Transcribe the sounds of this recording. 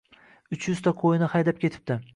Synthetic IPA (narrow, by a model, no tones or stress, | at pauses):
ʊt͡ʃʰjʊz̥t̪ʰaqʰojɪnɪhajd̪ap̚kʲʰe̞t̪ʰɪ̥p̚d̪ɪ